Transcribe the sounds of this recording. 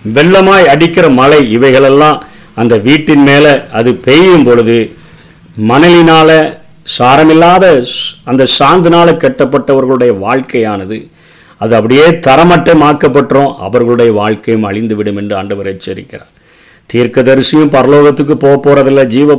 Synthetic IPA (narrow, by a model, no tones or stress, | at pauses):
ʋɛɭːɐmaːjɐɽɪkːɪɾɐmɐlɐɪɪʋɐɪɣɐɭɛlːãː | ɐnd̪ɐʋiːʈːɪnmeːlɛɐðɯpejɯmpɔɻɯðɯ | mɐnɐlɪnaːlɐ | saːɾɐmɪlːaːðɐɐnd̪ɐsaːnd̪ɯnaːlɐkːɛʈːɐpːɐʈːɐʋɐɾɣɐɭɯɽɐjɐʋaːɻkɐjaːnɐðɯ | ɐðɯɐpːɐɽɪjeːt̪ɐɾɐmɐʈːɐmaːɾkːɐpːɐʈːrõːʔɐ̰ʋɐɾɣɐɭɯɽɐjɐʋaːɻkɐjɯmɐɻɪnd̪ɯʋɪɽɯmɛndrɯɐɳɖɐʋɐɾɣɐt͡ʃːɐɾɪ̰kːɪɾa̰ːn | t̪iːɾkɐðɐɾɯsɪjɯ̃mpɐɾɐloːɣɐt̪ːɯk̬ːɯpoːɣɐpːoːɾɐðɪlːɐd͡ʒiːʋɐ